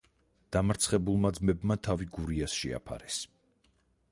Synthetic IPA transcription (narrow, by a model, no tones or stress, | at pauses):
d̪̥amɾt̪sʰχɛbulˠmad̪zmɛbmat̪ʰaviɡuɾiasʃɛ̰a̰pʰa̰ɾɛs